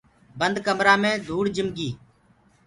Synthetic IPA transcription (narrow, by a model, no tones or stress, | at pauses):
bənd̪kəmɾaːmẽːd̪ʱuːɽd͡ʒɪmɡiː